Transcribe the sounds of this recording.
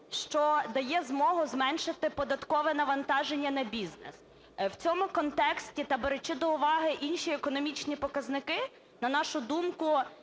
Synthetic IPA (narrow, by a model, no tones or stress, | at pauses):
ʃt͡ʃɔd̪ɐjɛzmɔɦʊzmɛnʃɪt̪ɪpɔd̪ɐt̪kɔʋɛnɐʋɐnt̪ɑʒenʲːɐnɐbʲiznɛ̰s | wt͡sʲɔmʊkɔnt̪ɛksʲtʲit̪ɐbeɾet͡ʃɪd̪ɔʊʋɑɦɪʔinʃiekɔnɔmʲit͡ʃnʲipɔkɐznɪkɪ | nɐnɑʃʊd̪umkʊ